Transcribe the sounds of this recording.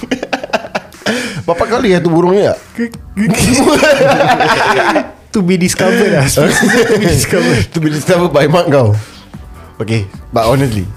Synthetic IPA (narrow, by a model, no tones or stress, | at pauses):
bapaʔkalijat̪ubuɾʊŋɲia̰ | mu | t̪ubidiskavəaso | skavət̪ubidiskavəd̚bajmãʔkaw | okebatɔnəst̪lḭ